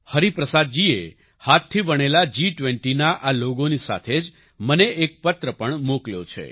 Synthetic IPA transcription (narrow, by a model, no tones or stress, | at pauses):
həɾipɾəsad̪̚d͡ʒie | hat̪ʰːibəɳ̃elad͡ʒiʈʋɛɳʈinaʔaloɡonisa̰t̪ʰed͡ʒ | məneek̚pət̪ɾəpəɳmokljo̰t͡ʃʰḛ